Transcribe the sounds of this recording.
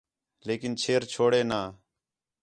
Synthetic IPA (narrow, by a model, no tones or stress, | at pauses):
leːkɪnt͡ʃʰeːɾt͡ʃʰoːɽeːnaː